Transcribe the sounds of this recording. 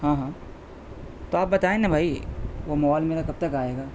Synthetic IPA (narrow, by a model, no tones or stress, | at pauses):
ɦãːɦãː | t̪oaːp̚bɐt̪aːẽnãbʱaːiʋomaːlmeːɾakɐb̚t̪ɐkaːeːɡaː